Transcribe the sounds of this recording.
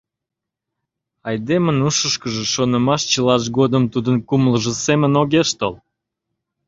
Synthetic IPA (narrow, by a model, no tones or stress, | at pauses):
ɑjd̪emənuʃəʃkəʒeʃonəmɑʃt͡ɕəlɑʃ̬ɡod̪əmt̪ud̪ənkumləʒə̆semənoɣeʃt̪ol